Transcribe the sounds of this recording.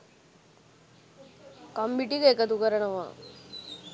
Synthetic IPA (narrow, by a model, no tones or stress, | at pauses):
kɐmbiʈikɐekːɐt̪ukɐɾɐɳɐʋã̰ː